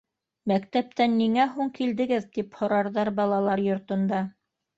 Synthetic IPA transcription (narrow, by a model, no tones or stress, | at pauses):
mækt̪æp̚t̪ænːiŋæɦuŋkild̪ɘ̆ɡɘðt̪iphŏɾɑɾðɑɾbɑlˠɑlˠɑɾjŏɾt̪ŏnd̪ɑ